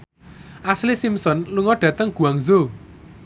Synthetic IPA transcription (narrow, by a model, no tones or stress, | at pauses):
ʔaslisimsɔnluŋɔɖ̥ä̤t̪əŋɡ̥ṳaŋzo